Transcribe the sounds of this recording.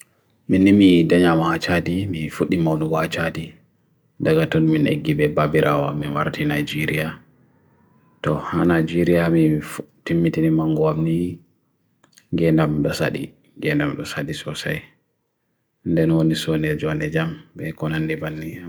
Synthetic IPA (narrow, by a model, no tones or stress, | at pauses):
minimidaɲamat͡ʃadimifuɗːimawnuwat͡ʃadi | daɡatɔnminʔḛɡːibɛbabiɾʔa̰waminwa̰ɾtʰinajd͡ʒiɾija | tɔhanajd͡ʒiɾijamiftimːitinimaŋɡɔamni | ɡɛndamɗɔsa̰ɗḭ | ɡɛndamɗɔsaɗisɔsa̰j | ndɛnwonisɔnɛd͡ʒɔnɛd͡ʒambɛkɔnanːibanːi